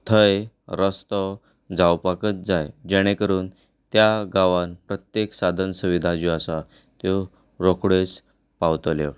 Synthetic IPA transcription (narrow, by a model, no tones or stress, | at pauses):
t̪ʰəj | ɾəst̪ɔ | d͡zawpakət̪d͡zajd͡ʑɛɽ̃ekəɾuːn | t̪jaɡaʋãnpɾət̪jeksad̪ʱənsuʋid̪ʱad͡ʑuasa | t̪jo | ɾokɽes | pawt̪olḛʋ